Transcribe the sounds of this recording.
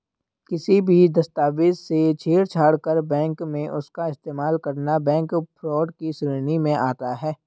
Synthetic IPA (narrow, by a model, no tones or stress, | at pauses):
kɪsibʱid̪ɐst̪aːʋɪd̪set͡ʃʰeːɽt͡ʃʰaːɽkəɾbɛ̃ːŋkmẽʔʊskaɪst̪eːmaːlkɐɾnabɛ̃ːŋkpʰɾɔːɖkisɾiːnimẽʔa̰ːt̪aɦɛː